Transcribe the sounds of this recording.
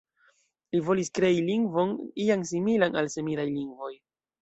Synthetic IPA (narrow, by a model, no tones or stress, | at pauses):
livo̞liskɾe̞iliŋɡvo̞nijaŋs̬imilanalse̞milajliŋɡvo̞j